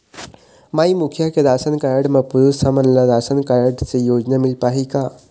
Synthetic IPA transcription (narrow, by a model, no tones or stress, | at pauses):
maːimukʰjaked̪aːsənkaːɾɖmɐ̃pʊɾusamənlad̪aːsənkaːɾɖsejoːd͡ʒnamɪlpaːɦikaː